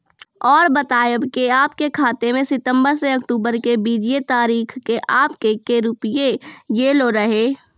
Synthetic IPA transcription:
ɔːɾbɐt̪aːjəbkeaːpkekʰaːt̪emẽsɪt̪ə̃mbəɾseɐk̚ʈuːbəɾkebiːd͡ʒiet̪aːɾiːkʰkeʔaːpkekeɾʊpjejeloɾɐɦeː

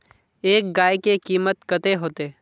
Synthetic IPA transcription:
eːk̚ɡaːjkekiːmət̪kət̪eɦoːt̪eː

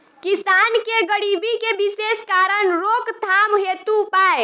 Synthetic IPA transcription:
kisankeɡəɽibikebiseskaɾənɾokt̪ʰamɦet̪upae

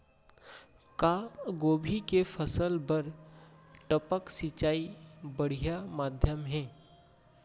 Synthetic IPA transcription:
kaːɡoːbʱikefʰəsəlbəɾ | ʈəpəksɪt͡ʃaːibɐɽ̤ijamaːd̪ʱjəmɦɛ̃ː

